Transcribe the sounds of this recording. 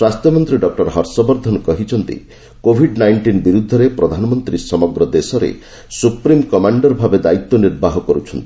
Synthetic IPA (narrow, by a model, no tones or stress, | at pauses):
swast̪jɔmɔnt̪ɾiɖɔk̚ʈɔɾɦɔɾsɔbɔɾd̪ʱɔnɔkɔɦit͡ʃʰɔnt̪ḭ | kobʱiɖnajɳʈinbiɾud̪ʱːɔɾepɾɔd̪ʱanɔmɔnt̪ɾisɔmɔɡɾɔd̪esɔɾḛ | supɾimkɔmaɳɖɔɾbʱabed̪ait̪ːɔniɾbaɦɔkɔɾut͡ʃʰɔnt̪ii